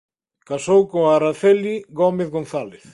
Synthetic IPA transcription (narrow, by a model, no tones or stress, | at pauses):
kasowkoaɾaθeliɣɔmeθɣon̟θaleθ